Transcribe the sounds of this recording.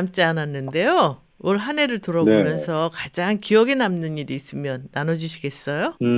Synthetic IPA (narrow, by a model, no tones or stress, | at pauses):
amt͡ɕ͈iananːɯnde̞jo | wʌɭɦane̞ɾɯɭtɯɾʌbomjʌnsʰʌkad͡ʑaŋkiʌɡe̞namnɯniɾiːs͈ɯmjʌnːanʌd͡ʑuɕʰiɡe̞s͈ʌjo